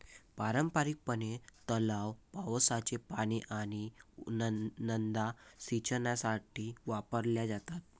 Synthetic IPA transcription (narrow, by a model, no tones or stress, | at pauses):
paɾəmpaɾik̚pənet̪əlawpaʋəsat͡ɕepaɽ̃iʔaɽ̃i | nənd̪asit͡ɕənjasaʈiːʋapəɾljad͡zat̪at̪̚